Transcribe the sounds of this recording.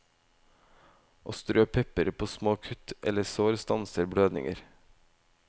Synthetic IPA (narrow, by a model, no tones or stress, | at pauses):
ʔoːst̪ɾøːpʰɛpəɾpʰoːsmoːkʰʉt̪ʔɛləsoːɾst̪ɑnsəɾbɽøːd̪nɪ̰ŋə̰ɾ